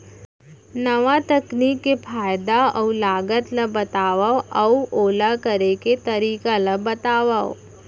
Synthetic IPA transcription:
nɐʋat̪ɐkniːkːepʰaːjd̪aɐulaːɡət̪lɐbɐt̪aːʋaɐuoːlakəɾeket̪ɐɾiːkaləbɐt̪aːʋao

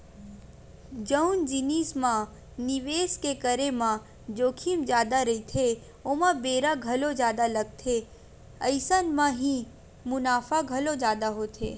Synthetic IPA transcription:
d͡ʒəʊnd͡ʒɪniːsmã | nɪʋeːskekəɾemã | d͡ʒoːkʰimd͡ʒjaːd̪aɾɐit̪ʰe | oːmãbeːɾaɡʱɐlod͡ʒjaːd̪alɐɡ̚t̪ʰe | əɪsənmãɦĩ | mʊnaːfaɡʱɐlod͡ʒjaːd̪aɦot̪ʰḛː

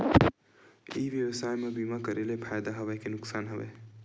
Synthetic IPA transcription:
ḭʋjəwəsajmebimakəɾelepʰajd̪aɦəbakenʊksaːnɦəbḛ

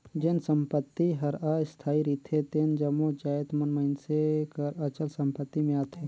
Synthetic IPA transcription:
d͡ʒensəmpət̪ːiɦəɾaːjst̪ʰaːiɾit̪ʰet̪eːnd͡ʒəmod͡ʒaːet̪mənməɪnsekəɾət͡ʃəlsəmpət̪ːimẽat̪ʰeː

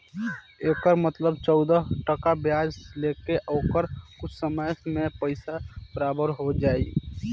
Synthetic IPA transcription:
ekəɾmət̪ləbt͡ʃəʊd̪əɦʈəkabjad͡ʒlekeʔokəɾkʊt͡ʃʰsəməjmepəɪsab̥əɾabəɾɦod͡ʒaːi

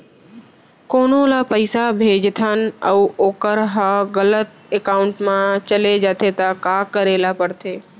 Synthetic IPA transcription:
koːnolapəɪsabʱeːd͡ʒt̪ʰən̆əuoːkəɾɦaɣələt̪̚ | ekaːʊɳʈmãt͡ʃəled͡ʒaːt̪ʰet̪akakəɾeːlapəɽt̪ʰeː

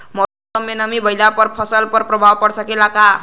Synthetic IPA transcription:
mʌ | ʌmːenʌmibʱʌjlapʌɾpʰʌsəlpʌɾpɾʌbʱawpʌɽsʌkelaka

